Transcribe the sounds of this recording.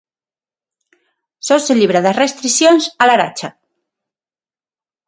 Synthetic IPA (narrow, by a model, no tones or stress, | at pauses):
soseliβ̞ɾaðasrest̪ɾisjonsalaɾa̰t͡ʃa